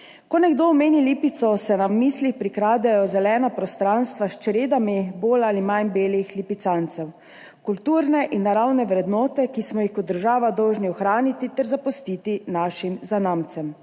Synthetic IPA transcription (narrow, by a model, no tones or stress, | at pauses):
kɔnɛɡd̪oɔmeːnilipit̪sɔsɛnamiːslixpɾikɾaːd̪ɛjɔzɛlɛːnapɾɔst̪ɾanst̪ʋaʃt͡ʃɾeːd̪amiboːlalimanbeːlixlipit̪sant̪sɛw | kult̪uːɾnɛʔinːaɾawnɛʋɾɛd̪nɔːt̪ɛkismɔjixkɔt̪d̪əɾʒaːʋad̪ɔwʒniɔxɾaːnit̪it̪ɛɾzapɔst̪iːt̪inaːʃimzanaːmt̪sɛm